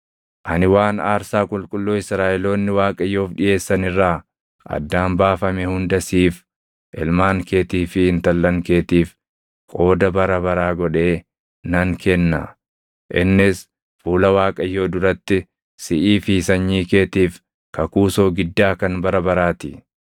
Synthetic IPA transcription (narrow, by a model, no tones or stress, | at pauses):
ʔɐnɪwaːnaːɾsaːkʼʊlkʼʊlːoːɪsɾaːʔɛlo̞ːnːɪwaːkʼɐjːo̞ːfᶑɪʔe̞ːsːɐnɪrːaː | ʔɐ̰d̪ːaːmbaːfɐmɛhʊnd̪ɐsiːf | ʔɛlmaːŋke̞ːt̪iːfɪhɪnt̪ɐlːɐŋke̞ːt̪iːf | kʼo̞ːd̪ɐbɐɾɐbɐɾaːɡɔᶑe̞ː | nɐŋkʰɛnːɐ̰ | ʔɪnːɪs | fuːlɐwaːkʼɐjːoːd̪ʊɾɐt̪ːɪ | sɪʔiːfiːsɐɲːiːke̞ːt̪iːf | kɐkuːso̞ːɡɪd̪ːaːkɐnbɐɾɐbɐɾaːt̪ɪ